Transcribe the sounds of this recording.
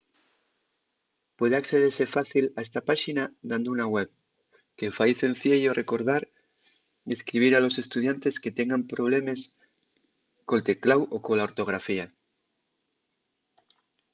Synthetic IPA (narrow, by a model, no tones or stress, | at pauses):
pweð̞eakθeð̞eɾsefaθilaest̪apaʃinad̪and̪ounaɣweβ | kefajθen̟θjeʎoreko̞ɾðaɾ | eskɾiβ̞iɾalo̞se̞st̪uðjant̪esket̪eŋɡampɾo̞β̞lemes | kolt̪e̞klawʔokolaoɾt̪o̞ɣ̞ɾafia